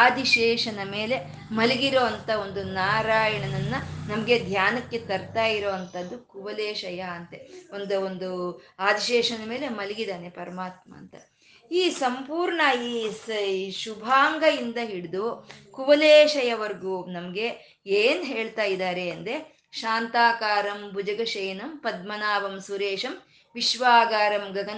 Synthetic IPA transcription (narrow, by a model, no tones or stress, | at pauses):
aːd̪iʃɛːʂɐnɐme̞ːle̞ | mɐliɡiɾoːɐnt̪ɐo̞nd̪unaːɾaːjɐɳɐnɐnːɐnɐmɐɡe̞d̪ʱjaːnɐkːe̞t̪ɐɾt̪aːjiɾoːɐnt̪ʰɐd̪ːukuʋɐleːʃɐjaɐnt̪eo̞nd̪uond̪uaːd̪iʃɛːʂɐnɐme̞ːle̞mɐliɡid̪aːnepɐɾɐmaːt̪mɐ̰ːnt̪ɐ | iːsɐmpuːɾɳaiːsʃubʱaːŋɡɐjind̪ɐɦiɽid̪ukuʋɐleːʃɐjɐʋɐɾɡunɐmɐɡe̞ | eːnɦeːɭt̪aːjid̪aːɾeɐnd̪e̞ | ʃaːnt̪aːkaːɾɐmbud͡ʒɐɡɐʃɐjnɐmpɐd̪̚mɐnaːʋɐmsuɾeːʃɐm | ʋiʃʋaːɡaːɾɐmɡɐɡɐn